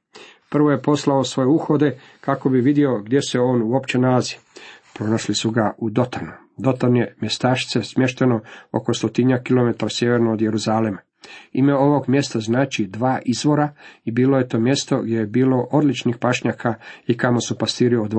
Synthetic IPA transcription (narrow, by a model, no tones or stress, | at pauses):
pr̩ʋoje̞po̞slaosʋo̞jeuxo̞d̪e̞ | kako̞biʋid̪jio̞ɡd̪je̞se̞o̞ːnuo̞pt͡ɕe̞nalazi̥pɾo̞naʃlisuɡaud̪o̞t̪anu | d̪o̞t̪anje̞mje̞st̪aːʃt̪se̞smje̞ʃt̪e̞no̞o̰kost̪o̞t̪iɲakilˠo̞me̞t̪aɾasje̞ʋeɾnoːd̪je̞ɾuzaːlema | ime̞o̞ʋo̞ɡmje̞st̪aznaːt͡ʃid̪ʋaːʔizʋo̞ɾaibiːloje̞t̪o̞ːmje̞st̪o̞ɡd̪jejebiːlo̞ʔo̞d̪lit͡ʃnixpaʃɲakʰaikamosupast̪iːɾiod̪